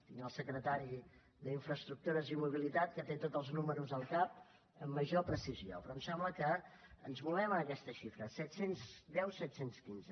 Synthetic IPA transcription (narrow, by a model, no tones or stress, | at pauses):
t̪iŋəlˠsəkɾət̪aɾi | ðəiɱfɾəst̪ɾuk̚t̪uɾəzimuβ̞ilit̪at̪̚kət̪et̪ot̪əlˠznuməɾuzəlˠkap̚ | əmːəʒopɾəsizio̰pɾɔmsɛmbləkəənzmulɛməəkɛst̪əʃifɾəsɛt̪senzd̪ɛwsɛt̪senskinzə